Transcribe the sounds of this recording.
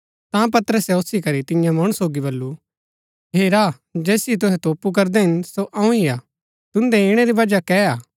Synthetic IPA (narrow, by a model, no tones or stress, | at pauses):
t̪ãp̬ɐt̪əɾəsɛʊsikɐɾit̪ɪjãmɐɽ̃soːɡibɐlːu | ɦeːɾaː | d͡ʒɛːsiit̪̬ʊɦɛt̪oːpuk̬ɐɾd̪eɦɪnsoʔɐ̃ũiaː | t̪ʊ̃nd̪ɛɪɽ̃eɾibɐd͡ʒakɛaː